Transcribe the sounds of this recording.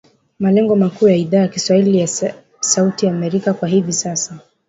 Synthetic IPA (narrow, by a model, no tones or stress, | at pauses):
malɛŋɡɔmakuːjaiðaːjakiswahilija | sautijaːmɛɾikakwaɦivisasa